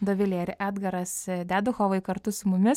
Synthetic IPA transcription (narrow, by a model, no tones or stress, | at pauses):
d̪oːʋʲɪlʲeːɪɾʲʔæːd̪ɡɐɾɐsd̪ʲæːd̪ʊxoːʋɐɪkɐɾt̪ʊsʊmʊmʲɪ